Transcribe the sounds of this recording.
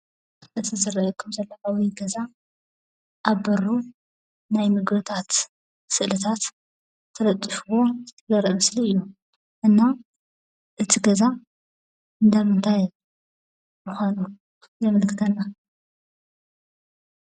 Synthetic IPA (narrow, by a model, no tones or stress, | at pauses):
ʔɨt̪ʰizɨɾɐjukʰɐmzɐlːʕawijɡɐza | ʔaβbɐɾu | najmɨɡbɨt̪ʰat̪ | sɨʔlɨt̪ʰat̪ːʰ | ɐlɐt̪ʼːɨfuwo̞t̪ʰzɐɾɨmɐsliɨjːu | ʔɨnːa | ʔɨt̪ʰiɡɐza | ɨnd̪amɨnt̪ʰaj | mɨxʷanu | jɐmɐlkʰɨt̪ʰɐnːa